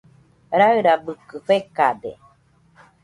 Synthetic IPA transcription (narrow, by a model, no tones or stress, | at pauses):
ɾaɯɾabɯkɯɸekad̪ḛ